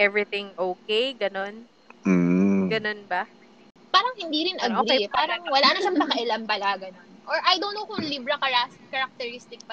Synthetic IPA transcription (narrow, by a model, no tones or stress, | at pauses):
ʔɛvɹɪt̪ɪŋʔoːkejɡɐno̞n̩ː | ɡɐno̞nbɐ | paːɾɐŋhɪnd̪iːɾɪnʔɐɡʔoɾiejpaːɾɐŋwɐlaːnɐʃɐmpɐkɐʔɪlɐmpɐlaɡɐnonʔoɹʔɐjd̪onːowkʊŋliːbɾɐkɐɹaskɐɾɐk̚t̪ɛɹist̪ɪk̚pɐ